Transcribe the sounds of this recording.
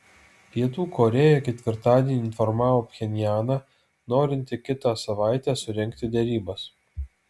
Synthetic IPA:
pʲiɛt̪uːkɔɾʲɛːjɛkʲɛt̪ʲʋʲɪɾt̪ɑːd̪ʲiɛnʲiːɪnfɔɾmɑːʋoːpʲxʲɛnʲjæːnɑ | noːɾʲɪnʲt̪ʲɪkʲɪt̪ɑsɐʋɑˑɪt̪ʲɛːsʊɾʲɛŋʲkt̪ʲɪd̪ʲɛɾʲiːbɐs

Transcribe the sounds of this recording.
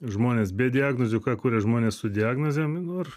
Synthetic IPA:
ʒmoːnʲeːsbʲɛːdʲɪaːɡnoːzʲʊkɑːkuːɾʲɛʒmoːnʲeːssʊd̪ʲɪaːɡnoːzʲeːmnʊɐr

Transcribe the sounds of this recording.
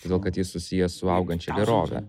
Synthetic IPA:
oːd̪ʲːlˠkɐt̪jɪsʊsʲɪjɛsʊɐʊɡɐnʲt͡ʃʲɛɡʲɛɾoːʋʲɛ̰

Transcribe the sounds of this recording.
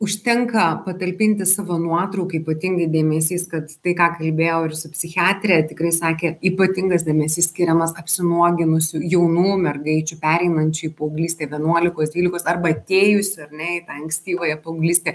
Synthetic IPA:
ʊʃʲt̪ʲɛŋkɐpɐt̪ɐlʲpʲɪnʲt̪ʲɪsɑːʋɐnuɔt̪ɾɐʊkɐiːpɐt̪ʲɪŋɡɐɪd̪ʲeːmʲɛs̬ʲiːskɐt̪t̪ɐɪkɑːkɐlʲbʲeːjoːɪrsʊpʲsʲɪxʲɪɑːt̪ʲɾʲɛt̪ʲɪkɾɐɪsɑːkʲeːiːpɐt̪ʲɪŋɡɐsd̪ʲeːmʲɛsʲiːsʲkʲɪɾʲɛmɐsɐpʲsʲɪnuɔɡʲɪnʊsʲʊjɛʊnuːmʲɛrɡɐɪt͡ʃʲʊpʲæːɾʲɛɪnɐnʲt͡ʃʲʊiːpoʊɡlʲiːsʲt̪ʲeːʋʲiɛnuɔlʲɪkoːsd̪ʲʋʲiːlʲɪkoːsɐrbɐɐt̪ʲeːjʊsʲɪɐrnʲɛɪt̪ɑɐŋksʲt̪ʲiːʋoːjɛpɐʊɡlʲiːsʲt̪ʲeː

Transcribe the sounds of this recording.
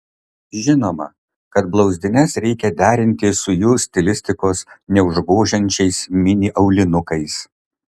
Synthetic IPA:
ʒʲɪnoːmɐ̰ | kɐt̪blˠɒʊzʲd̪ʲɪnʲɛsɾʲɛɪkʲɛd̪ʲæːɾʲɪnʲt̪ʲɪsʊjuːsʲt̪ʲɪlʲɪsʲt̪ʲɪkoːsnʲɛʊʒboːʒʲɛnʲt͡ʃʲɛɪsmʲɪnʲɪʔɐʊlʲɪnʊkɐɪs

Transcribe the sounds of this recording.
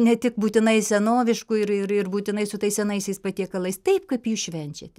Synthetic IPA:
nʲɛt̪ʲɪkbuːt̪ʲɪnɐɪsʲɛnoːʋʲɪʃkʊɪɾɪɾɪrbuːt̪ʲɪnɐɪsʊt̪ɐɪsʲɛnɐɪsʲɛɪspɐt̪ʲiɛkɐlˠɐɪst̪ɐɪpkɐpjuːʃʲʋʲɛnʲt͡ʃʲɛt̪ʲɛ

